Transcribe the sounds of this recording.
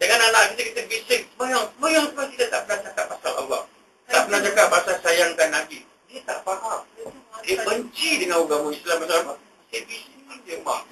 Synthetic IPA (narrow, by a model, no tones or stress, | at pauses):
dəŋananaʔkit̪əkit̪əbisɪŋsəmajaŋsəmajaŋsəbakit̪ət̪aʔpənaht͡ʃakappːasala̰wa̰ | t̪aʔpənaht͡ʃakaʔpːasalsajaŋkanːabi | iət̪a̰ʔpaɦaʔ̚əbəɲt͡ʃidəŋanuɡamuislampasalama | i̥t̪əbisɪŋand̪əma̰